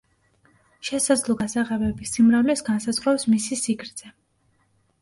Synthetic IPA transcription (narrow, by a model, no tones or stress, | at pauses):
ʃɛsad̪zlˠɔɡasaʁɛbɛbisimɾavlɛsɡansazʁwapsmisisiɡʰɾt̪z̥ɛ